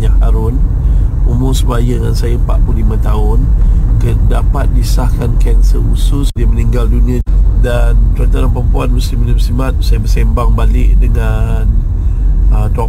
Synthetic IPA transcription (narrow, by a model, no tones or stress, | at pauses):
ɲahaɾʊn | umʊsəbajəŋansajəpa̰ʔpulimãt̪aʊnkədapat̪̚disahkankɛnsəusʊsdiəməniŋɡalduniə̃dant̪ɾant̪aɾanpəmpuanməsiminəmsimat̪̚sajəbəsɛmbaŋbalɪʔdəŋan | ət̪ɔ